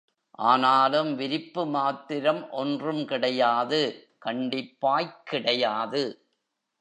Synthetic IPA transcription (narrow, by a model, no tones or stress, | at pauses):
ʔaːnaːlɯmʋɪɾɪpːɯmaːt̪ːɪɾɐmʔɔndrɯmkɪɽɐjaːðɯ | kɐɳɖɪpːaːjkːɪɽɐjaːðɯ